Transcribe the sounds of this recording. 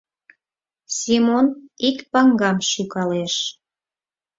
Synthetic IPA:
simonikpɑŋɡɑmʃukɑleʃ

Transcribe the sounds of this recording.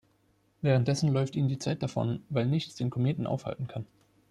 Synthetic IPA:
vɛːʁənt̚d̥ɛsn̩lɔʏftiːnəndiːt͡saɪt̚d̥afɔ̰nvaɪlnɪçt͡sd̥eːnkʰɔmeːtn̩ʔa̰ʊfha̰ltn̩kʰan

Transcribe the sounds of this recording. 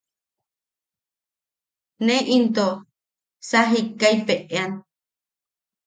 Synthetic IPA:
nẽʔint̪o | saɦikːaipeʔean

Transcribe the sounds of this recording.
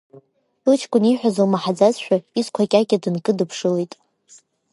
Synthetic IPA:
tɨlt͡ʃʰkʷʼʊniħʷᶣazalmaħad͡zazʃᶣaiskʷʰakʲʼakʲʼadɨnkʼɨdɨpʰʂɨlejtʼ

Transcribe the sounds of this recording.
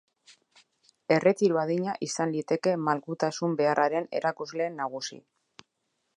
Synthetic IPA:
e̞re̞t̪iɾuaðiɲaʔisanlit̪e̞ke̞malkut̪asumbe̞araɾe̞ne̞̰ɾʔakuzle̞ːnːaɣ̞usḭ

